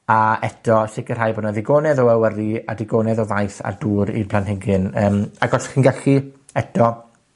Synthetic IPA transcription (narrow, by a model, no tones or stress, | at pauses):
aɛtʰɔʃɪkər̥hajbɔnaðɪɡoːnɛðɔɛwəɾia̰dɪɡoːnɛðɔvajθa̰rduːɾḭrpʰlanhɪɡɪnəːmaɡɔɬχinɡaɬi | ɛtʰɔ